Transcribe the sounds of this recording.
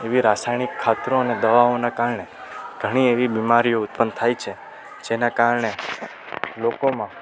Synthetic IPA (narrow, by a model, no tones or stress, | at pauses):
eʋiɾasajñikʰːat̪ɾoəned̪əʋaonakaɾɳeɡ̥ʱəɽ̃ieʋibimaɾijoʊt̪̚pənd̪̚t̪ʰajt͡ʃʰe | d͡ʒenakaɾɳe | lokomã